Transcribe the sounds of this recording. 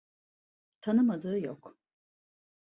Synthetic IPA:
t̪ʰanɯmad̪ɯːjɔ̰k

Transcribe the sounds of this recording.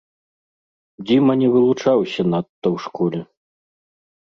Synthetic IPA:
d͡zʲimɐnʲɛvɨlˠut͡ʂawsʲɐnat̪ːɐwʂkɔlʲɛ

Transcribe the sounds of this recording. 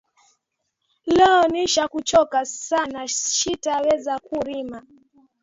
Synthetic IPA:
lɛɔniʃakut͡ʃɔkasanaʃitawɛzakuɾima

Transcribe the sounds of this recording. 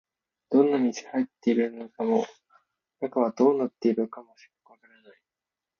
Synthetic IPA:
d̪̥õ̞nːamʲisi̥hait̪ːe̞iɾɯ̟nokamo̞ | nakaβ̞ad̪̥o̞ːnat̪ːe̞iɾɯkamo̞ɕi̥kḁkɯβakaɾanai

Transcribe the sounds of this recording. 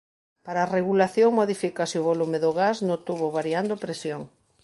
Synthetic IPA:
paɾaːreɣulaθjoŋmoðifikasɪʊβolumeðoɣasnõt̪uβoβaɾiand̪opɾesjoŋ

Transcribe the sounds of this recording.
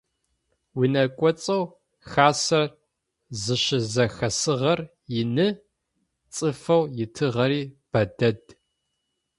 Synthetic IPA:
winɐkʷʼɔt͡sʼɐw | xaːsɐr | zɨɕɪzɐxɐsɨʁɐr | jɪnɨ | t͡sʼɨfɐwjɪtʰɨʁɐɾiːb̥ɐdɐd

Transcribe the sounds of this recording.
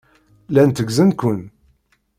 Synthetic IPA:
lænt̪əɡzənkʷʊn

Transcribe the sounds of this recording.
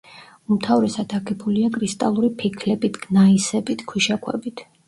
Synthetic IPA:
umt̪ʰavɾɛsad̪̥aɡɛbuliakʼɾist̪ʼa̰lˠuɾipʰikʰlɛbit̪ʰɡ̥naisɛbit̪ʰkʰwiʃakʰwɛ̰bit̪ʰ

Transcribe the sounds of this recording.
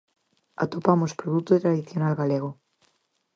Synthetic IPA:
a̰t̪opamospɾoðut̪oet̪ɾaðiθjonalɣaleɣ̞o

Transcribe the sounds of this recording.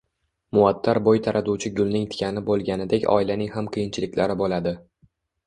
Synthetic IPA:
mʊat̪ʰːaɾbojt̪ʰaɾʔat̪uwt͡ʃʰɪɡʊlˠnɪŋt̪ʰɪ̥kʲʰanɪbolˠɡʲanɪd̪ekʲɒ̰ɪlanɪŋhamqʰɨjɪnt͡ʃʰɪlɪkʲlaɾɪbolad̪ɪ

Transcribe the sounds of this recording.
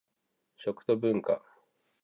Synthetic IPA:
ɕo̞kɯ̟̥t̪obɯ̟̃ŋka̰

